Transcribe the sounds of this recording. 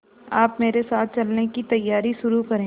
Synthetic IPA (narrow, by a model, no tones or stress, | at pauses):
aːpmeːɾesaːt̪̚ʰt͡ʃɐlnekit̪ɐjːaːɾiʃʊɾukɐɾẽː